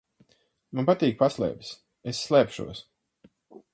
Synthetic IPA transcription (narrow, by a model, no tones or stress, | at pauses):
manpat̪iːk̚paslˠɛ̰ːps | esːlˠɛːpʃṵɔs